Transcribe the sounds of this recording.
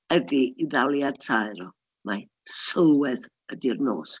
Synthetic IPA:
ədiiðalˠjadtʰaɨɾɔ | ma | səlˠwɛð | ədirno̰ːs

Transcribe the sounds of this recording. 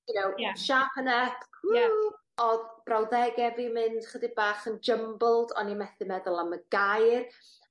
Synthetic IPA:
nowʃapʰənɛθ | ɔðb̥rawðɛɡɛvimɨnd̥χədɪbaːχənd͡ʒəmblˠdɔ̰nimɛθɨmɛðʊlˠaməɡajr

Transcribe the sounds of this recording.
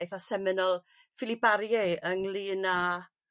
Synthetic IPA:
jθasɛmɪnɔlˠ | fɪlibaɾjɛənlˠiːna

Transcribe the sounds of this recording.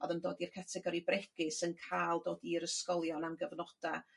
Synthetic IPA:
ɔðəndoːdirkʰatʰɛɡɔɾibrɛɡ̥ɪsənkʰaːlˠdoːdiɾəskɔlˠjɔnamɡəvnɔd̥a

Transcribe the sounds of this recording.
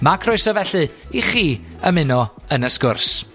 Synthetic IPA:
makʰrʊɨsɔvɛɬɨiχiːəmɪnɔənəskʊrs

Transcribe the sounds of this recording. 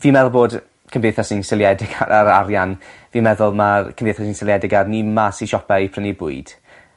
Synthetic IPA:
viːmɛðʊlˠboːd | kʰəmvdejθɔsinsɪlˠjɛdɪɡ̥aaɾaɾjanviːmɛðʊlˠmakʰəmndejθɔsinsɪlˠjɛdɪɡarnimasiʃɔpɛipʰrənibʊɨd̥

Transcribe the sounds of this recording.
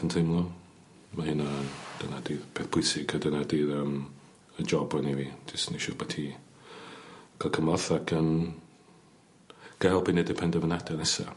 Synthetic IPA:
əntʰɪmlˠu | mahɪnad̥ənadiːðpʰeːθpʰʊjsɪɡʰədənadiːðəm | əd͡ʒɔbɔnivi̥ɪsniʃɔːbɔtʰiː | ɡ̥alˠkʰəmɔθaɡan | ɡ̥ɛlˠbinɛdɛpʰɛndɛvənadɛnɛsa̰

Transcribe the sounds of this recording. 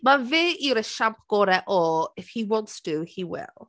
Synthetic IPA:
mavɪːjəɾəʃãmp̚ɡ̥ɔːɾɛʔɔɪfhiwɔ̃ntsd̥uhiwɪ̰lˠ

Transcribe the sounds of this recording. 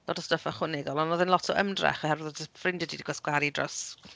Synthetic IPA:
d̥oːdəstəfaχʊnɛɡɔlˠɔnɔðɛnlˠɔtʰɔʔəmdra̰χɔhɛrvəðɔdfrɪndɛdidiɡɔsɡwaɾidrɔs

